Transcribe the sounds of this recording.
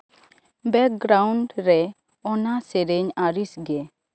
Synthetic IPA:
bɛk̚ɡɾawɳɖɾɛ | ɔnasɛɾɛɲaɾisɡɛ

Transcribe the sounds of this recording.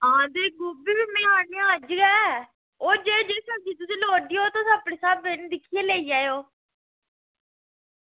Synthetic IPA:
ãːd̪eːɡʊbiːbiːmɛ̃ːaːnẽaəd͡ʒɡɛː | oːd͡ʒeːd͡ʒeːsəd͡ʒiːt̪ʊsĩːloːɖiːɦoːt̪oːsapɽeːsaːbend̪ɪkʰːijeːleːiːaːjoː

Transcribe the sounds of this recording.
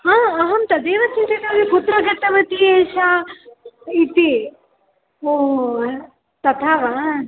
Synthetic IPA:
ãːɐɦɐmt̪ɐd̪eːʋɐt͡ʃint̪ɐd̪ɐːdiput̪ɾɐɡɐt̪ɐʋɐt̪ieːʃaː | it̪i | oː | t̪ɐt̪ʰaːʋa

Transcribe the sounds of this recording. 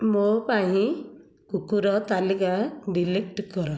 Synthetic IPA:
mopaɦĩ | kukuɾɔt̪alikaɖilek̚ʈkɔɾɔ

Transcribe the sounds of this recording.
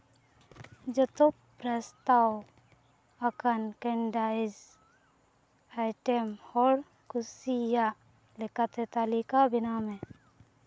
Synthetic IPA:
d͡ʒət̪o | pɾəst̪aːw | ɐkənkẽɳɖaːɪz | aɪʈemɔːɾ | kʊsija | lɪkat̪et̪aːlikabɪnamẽ

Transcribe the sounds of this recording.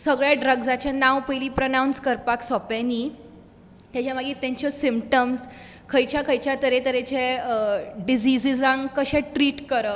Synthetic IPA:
səɡɭjaɖɾəɡd͡zat͡ɕanawpəjliːpɾənawnskəɾpaksɔpani | t̪jat͡ɕjamaɡit̪ẽɲt͡ɕəsimpʈəmskʰəjt͡ɕjakʰəjt͡ɕjat̪əɾet̪əɾet͡ɕe | ɖid͡ʑid͡zid͡zãŋkəɕɛ̃ʈɾiːʈkəɾə

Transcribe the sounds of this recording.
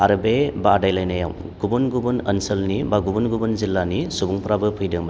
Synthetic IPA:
aɾɯbebadajlajnaja̰m | ɡ̥ubunɡubɯnɐnsɐlnibaɡubunɡubɯnzilːanisubuŋpɾabɯpʰɯjdɯŋb

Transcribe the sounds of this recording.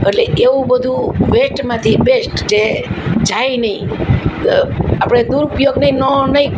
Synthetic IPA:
əʈleeũbəd̪ʱuʋesʈmãt̪ʰibesʈt͡ʃed͡ʒajnəĩ | apəɽ̃ed̪uɾupjoɡnəĩnɔnəɦĩ

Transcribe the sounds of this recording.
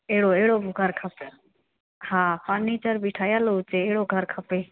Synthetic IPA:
eːɽoeːɽoːbɡʱəɾkʰəpe | hãːpanːiːt͡ʃəɾbiʈʰaːjaːlout͡ʃeeːɽoːɡʱəɾkʰəpeː

